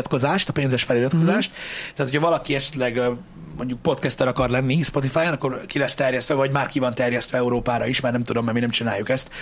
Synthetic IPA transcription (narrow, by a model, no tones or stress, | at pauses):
t̪ko̞zaːʃt̪ɒpeːnzɛʃfɛlilɒt̪ko̞zaːʃt̪ɛːt̪ʰocʰɒvɒlɒkiɛʃɛt̪lɛɡ | mo̞ɲɟuk̚po̞t̪kɛst̪ɛɾɒkɒrlɛnːispo̞t̪̬ifaːjɛnɒkːorkilɛst̪ɛrjɛst̪ʋɛvɒɟmaːrkivɒnt̪ɛrjɛst̪ʋɛɛuɾoːpaːɾɒiʃmaːrnɛmt̪ud̪o̞mːɛminɛmt͡ʃinaːjːukɛst̪